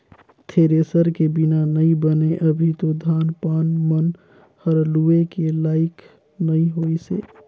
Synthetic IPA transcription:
t̪ʰeːɾesəɾkebɪnanəĩbəneʔəbʱit̪od̪ʱaːnpaːnmən | həɾluekelaːɪk | nəĩɦoːisḛː

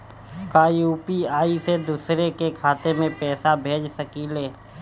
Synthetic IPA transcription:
kaːjuːpiaːised̪uːsɾekekʰaːt̪emẽpɛːsabʱeːd͡ʒsəkileː

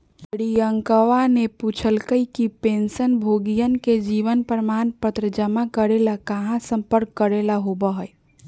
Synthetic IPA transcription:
ɽiəŋkəʋaneput͡ʃʰəlkəikipensənbʱoɡijənked͡ʒiʋənpɾəmanpət̪ɾəd͡ʒəmakəɾelakaɦãsəmpəɾkːəɾelaɦobəɦəj

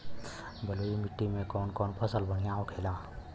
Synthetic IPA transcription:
bəloːimɪʈːimẽkɔːnkɔːnpʰəsəlbənijãːokʰeːlaː

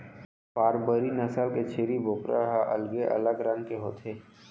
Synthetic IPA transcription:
paːɾbəɾinɐsəlket͡ʃʰeːɾibʱoːkɾaɦaʔɐ̰lɡeʔɐ̰ləɡɾɐ̃nkeɦoːt̪ʰeː

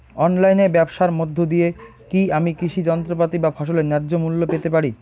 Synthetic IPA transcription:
ɔnlajnebɛbʃaɾmod̪ʱːod̪ije | kiamikɾiʃid͡ʑɔnt̪ɾopat̪ibafʰɔʃ̬olenɛɾːd͡ʑomulːopet̪epaɾi

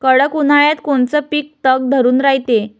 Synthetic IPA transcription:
kəɽəkun̤aɭjat̪koɳt͡səpiːk̚t̪əɡ̚d̪ʱəɾuːnɾaɦjit̪e

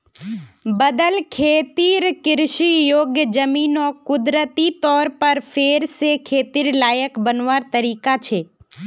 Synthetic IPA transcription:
bəd̪əlkʰeːt̪iːɾkɪɾʃijoːɡjəd͡ʒəmiːnɔːkʊd̪ɾət̪it̪ɔːɾpɐɾpʰeːɾsekʰeːt̪iːɾlaːjəkbənʋaːɾt̪əɾiːkat͡ʃʰeː

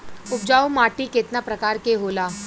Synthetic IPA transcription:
ʊp̚d͡ʒaːumaːʈiket̪napɾɐkaːɾkeɦoːlaː

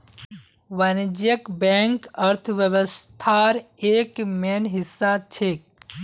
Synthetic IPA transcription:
wɐnd͡ʒjəkbɛ̃ːŋkəɾt̪ʰʋjəwəst̪ʰaɾeːkmeːnɦɪsːat͡ʃʰek̚

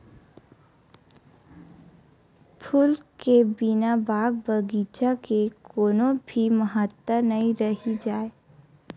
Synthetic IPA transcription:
pʰulkebinabaːɡ̚bəɡit͡ʃakekoːnõbʱiməɦət̪wənəĩɾəɦid͡ʒaːe

